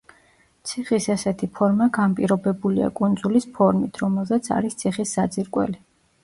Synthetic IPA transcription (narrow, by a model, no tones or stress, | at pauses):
t̪sʰiχisɛsɛt̪ʰipʰɔɾmaɡanpʼiɾɔbɛbulia̰kʼund̪zulispʰɔɾmit̪ʰɾɔmɛlˠzɛt̪sʰa̰ɾist̪sʰiχisːad̪ziɾkʼwɛ̰li